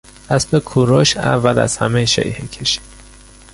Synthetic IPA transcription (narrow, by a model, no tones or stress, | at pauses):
æstekʰuɾoʃæ̰vːælæ̰z̥hæmejʃḛjhecʰeʃi̥d̥̪